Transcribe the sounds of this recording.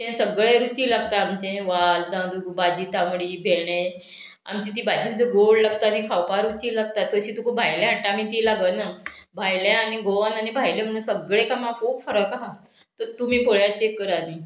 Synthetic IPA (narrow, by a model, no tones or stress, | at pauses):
t̪ẽsəɡɭẽɾut͡ɕiːlaɡt̪aːmt͡ɕẽʋalt̪ãd̪uɡbad͡ʑiːt̪amɽiːbʱeɽẽ | a̰mt͡ɕĩt̪̬iːbad͡ʑiməd̪ʱeɡoɭlaɡ̚t̪anikʰawpaɾut͡ɕiːlaɡ̚t̪at̪ːəɕiːt̪ukʰubʱajljãaʈːamiːt̪iːlaɡənabʱajljãañiɡoʋənanibʱajlẽm̤əɽ̃ũːnsəɡɭekamãkʰoːkfəɾəkaɦa | t̪əɾt̪um̤iːkʰoɭjat͡ɕekːəɾaniː